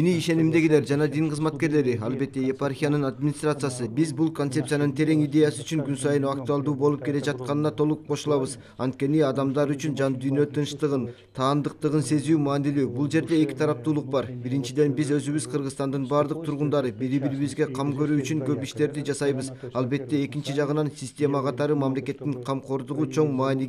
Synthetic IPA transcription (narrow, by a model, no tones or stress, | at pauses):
eniːʃe̞nimd̪e̞ɡʲile̞ɾd͡ʒɑnɑd̪iŋqʰəzmɑt̪̚ke̞ɾle̞ɾiɑlˠbe̞t̪ːe̞jeparxʲijanɯnad̪mʲinʲist̪rat̪sɨjasɯbizbulˠkont̪se̞p̪̚sjanɯnt̪ʰe̞ɾe̞ŋid̪ʲe̞jasyyt͡ʃyŋɡynsɑjɯnuak̚t̪uɑlˠd̪uːbolˠup̚ke̞le̞d͡ʒɑt̪̚qɑnɯnɑt̪ʰo̞lˠuq̚qʰːo̞ʃulˠɑβɯz | ɑnt̪̚kʲe̞niɑd̪ɑmd̪ɑɾyt͡ʃynd͡ʒɑnd̪yjnø̞t̪ʰɯnʃt̪ɯʁɯn | t̪ʰɑːnd̪ɯq̚t̪ɯʁɯnse̞zyːmɑːnilyːbulˠd͡ʒe̞ɾd̪e̞ːkʲi̥t̪ʰɑɾɑp̚t̪uːlˠuq̚bɑɾbiɾint͡ʃid̪e̞nbizø̞zyβyzqʰɯɾʁɯzt̪ɑnd̪ɯnbɑɾd̪ɯq̚t̪ʰuɾʁund̪ɑɾɯbiɾibiɾiβizɡe̞qʰɑmkø̞ɾyːt͡ʃyŋkøpiʃt̪e̞ɾd̪id͡ʒɑsɑjbɯzɑlˠbe̞t̪ːe̞e̞kint͡ʃid͡ʒɑʁɯnɑnsʲisʲtʲe̞mɑqʰɑt̪ɑɾɯmamle̞ke̞t̪ːiŋqʰɑmqʰo̞ɾd̪uʁut͡ʃʰo̞ɴmɑːni